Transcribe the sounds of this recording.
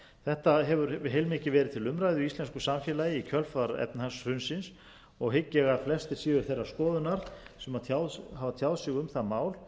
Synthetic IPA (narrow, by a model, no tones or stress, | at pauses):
θɛht̪aɦɛvʏɾɪɦeːjlmɪcɪvɛːɾɪð̥t̪ʰɪlʏmɾajðɪʏist̪lɛnskʏsamfjɛlajɪicʰœlfaɾɛ̰pnhasr̥ʏnsɪns | ɔɣhɪcːɛɣaflɛst̪ɪɾ̥siːðʏɾθejrːḁskɔːðʏnaɾ̥sɛmat̪ʰjawðɦaːvat̪ʰjawðsɪɣʏmθaðmaːwl